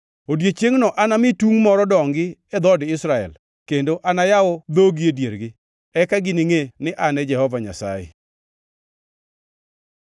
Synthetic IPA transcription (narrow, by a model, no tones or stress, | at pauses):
odjet͡ʃeŋnɔʔanamɪtuŋmɔɾɔdɔŋɡɪɛd̪ɔdɪsɾaɛ̰l | kendoʔanajaɔd̪oɡiedjeɾɡɪ | ɛkaɡɪnɪŋenɪʔanɛd͡ʒɛhɔvaɲa̰sa̰jɛ̰